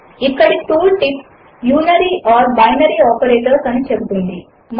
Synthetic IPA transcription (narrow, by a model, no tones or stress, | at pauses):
ikkːəɽit̪uːlʈip | juːnəɾiʔɔːɾbajnəɾiɔːpeɾeʈəɾsɐnit͡ɕek̚d̪ʱuɳd̪i | m